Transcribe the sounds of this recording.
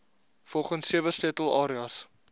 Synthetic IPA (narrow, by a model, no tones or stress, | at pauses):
fɔlˠχənsːiəvəstɛtəlˠɑːɾiɑs